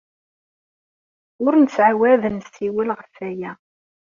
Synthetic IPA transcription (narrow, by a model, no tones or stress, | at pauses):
ʊɾnət͡sːʕawæðənsiwəlʁəfæjæ